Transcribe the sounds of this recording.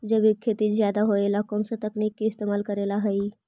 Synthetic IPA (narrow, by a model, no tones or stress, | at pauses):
d͡ʒəbikʰːet̪izjad̪aɦoelakɔːnsat̪ɐknikːeɪst̪emaːlkəɾelaɦəi